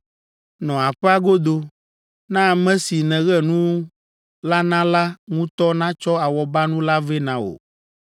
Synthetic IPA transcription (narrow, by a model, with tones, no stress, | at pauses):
nɔ̃˨a˨ɸɛ˦a˦ɡo˦d̪o˦ | nã˦˨mɛ̃˦si˨nɛ̃˨ɣɛ˦nũ˦w | la˦nã˦la˦ŋũ˦t̪ɔ˦nã˦t͡ʃɔ˦a˨wɔ˨ba˦nũ˦la˦vɛ˦nã˨o̰˨